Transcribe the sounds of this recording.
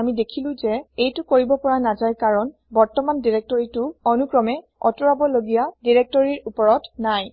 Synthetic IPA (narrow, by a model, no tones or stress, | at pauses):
amidekʰilʊ̃zɛejtʊkoɹibɔpɔɹanazajkaɹɔn | bɔɹtɔmandiɹek̚tɔɹitʊɔnukɹɔmɛ | ɔtuɹabɔloɡijadiɹek̚tɔɹiɹupɔɹɔtnaj